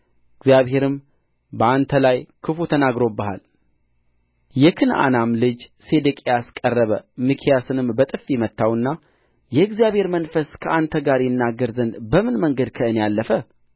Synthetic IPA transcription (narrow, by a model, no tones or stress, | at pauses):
ʔɨɡzijaβhe̞ɾɨm | bəant̪ʰəlajkʰɨfut̪ʰənaɡɾo̞bəha̰l | jɛkʰɨnʔa̰namlɨd͡ʒse̞d̪ɨkʼeaskʼərːəβəmɨkʰijasɨnɨmbət̪ʼɨfːimət̪ʰːawɨnːa | jɛɨɡzijaβhe̞ɾmənfəskʰəʔant̪ʰəɡaɾjɛnːaɡːəɾzənbəmɨnməŋɡəd̪kʰəʔɨnejalːəfə